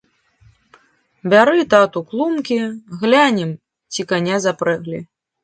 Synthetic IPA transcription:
bʲaɾɨt̪at̪uklˠumkʲiɣlʲanʲɛm | t͡sʲikanʲazapɾɛɣlʲḭ

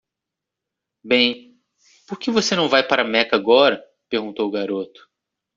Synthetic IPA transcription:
bẽj̃ | poɾkevosenɐ̃w̃vajpaɾɐmɛkaɡɔɾɐ | peɾɡũnt̪owʊɡaɾot̪ʊ̥

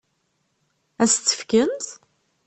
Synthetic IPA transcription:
æst̪ːə̥fkənt̪

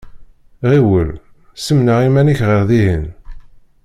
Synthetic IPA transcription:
ʁiwəl | səmnəʁimæniçʁəʁðiɦən

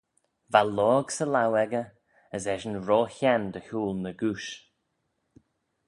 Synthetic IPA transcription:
valɔːɡsəlawɛɡə | əzɛʒənɹɔːçɛnd̪əhuːlnəɡuʃ

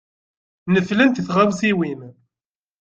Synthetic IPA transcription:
nəflənt̪θʁawsiwin

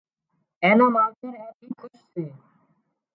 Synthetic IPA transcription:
ɛnomalt̪eɾɛkikʰuʃse

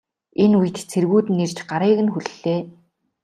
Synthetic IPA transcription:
enuj̆t̪t͡sʰerɣuːt̪ɘnːert͡ɕɢaɾiːɣɘ̆nxuɮɮeː

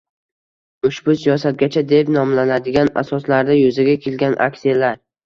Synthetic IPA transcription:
ʊʃbʊsijɒsat̪̚ɡʲat͡ʃʰad̪e̞pnɒmlanad̪ɪɡʲana̰sɒslaɾd̪ajɵzaɡʲakʲʰe̞lɡʲanʔa̰kʲsijalaɾ

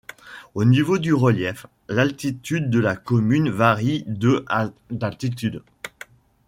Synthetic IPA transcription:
onivod̪yʁəljɛf | lalt̪it̪yd̪̚ːəlakɔmynvaʁid̪əd̪alt̪it̪yd̪

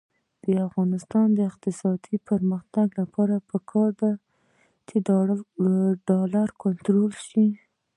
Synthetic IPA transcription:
d̪̥əafɣɑnɪst̪ɑnd̪əɪqt̪ɪsɑd̪̥ipəɾməxt̪aɡlapʰɑɾapəkʰɑɾba | t̪ʰe | ɖɑlaɾkʊnt̪ɾolʃi

